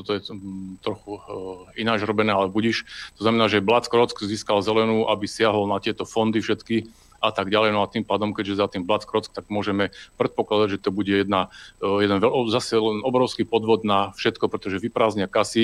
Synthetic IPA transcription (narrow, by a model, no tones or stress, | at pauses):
t̪ɔt̪ɔjɛt̪ɾɔxuinaːd͡ʒɾɔbɛnɛːalɛbuɟiʃt̪ɔznamɛnaːʒɛblat͡skɾɔt͡skziːskalzɛlɛnuːʔabisɪaɦɔlnat̪ɪɛt̪ɔfɔnd̪ifʃɛt̪ki | ʔat̪aɡɟalɛjnɔat̪impaːd̪ɔmkɛɟʒɛzat̪imblat͡skɾɔt͡sk̚t̪aɡmʊɔʒɛmɛpɾɛt̪pɔklad̪aɟʒɛt̪ɔbuɟɛjɛd̪najɛd̪ɛnʋɛzasɛlɛnɔbɾɔʊskipɔd̪ʋɔd̪nafʃɛt̪kɔpɾɛt̪ɔʒɛʋipɾaːzɲɪakasi